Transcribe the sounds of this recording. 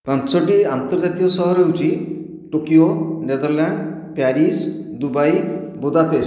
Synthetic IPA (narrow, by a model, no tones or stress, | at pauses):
pãnsɔʈiant̪ɔɾd͡ʒat̪ijɔsɔɦɔɾeut͡ʃi | ʈokioned̪ɔɾlaɳɖ | paɾisd̪ubajbod̪apes